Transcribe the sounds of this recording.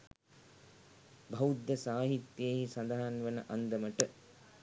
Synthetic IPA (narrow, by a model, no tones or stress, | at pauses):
bʱɐud̪ːəsaːɦit̪jeːɦisɐnd̪aɦanʋənəʔand̪əməʈə